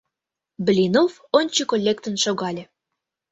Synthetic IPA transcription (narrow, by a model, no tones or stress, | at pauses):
blʲinof | onʲt͡ɕikolʲːekt̪ə̆nʃoɣɑlʲĕ